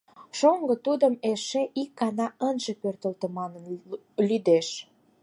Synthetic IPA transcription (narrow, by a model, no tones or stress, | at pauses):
ʃoŋɡə̆t̪ud̪əmeʃeʔikːɑnɑʔənʒepørt̪əlt̪ə̆mɑnən | lyd̪eʃ